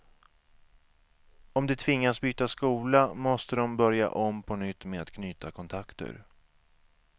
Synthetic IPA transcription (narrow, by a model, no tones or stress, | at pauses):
ɔmd̪ɛt̪ʰvɪŋːasbyːt̪askuːlamɔst̪əd̪ɔmbœɾja̰ʔɔmpʰɔnʏt̪ːmeat̪kʰnyːt̪akʰɔnt̪ʰakt̪ə̰ɾ